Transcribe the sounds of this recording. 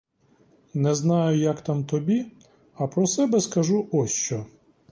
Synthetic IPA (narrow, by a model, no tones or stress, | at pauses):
nɛznɑjʊjakt̪amt̪ɔbʲi | ɐpɾɔsɛbɛskɐʒuʔɔsʲt͡ʃɔ